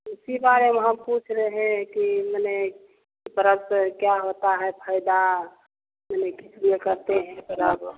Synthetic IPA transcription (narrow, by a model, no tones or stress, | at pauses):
ɪsibaɾemeɦəmput͡ʃʰɾeɦɛ̃kiməne | kipəɾəbskjaɦot̪aɦɛpʰəɪd̪a | mənekit͡ʃʰliekəɾt̪eɦɛ̃pəɾəb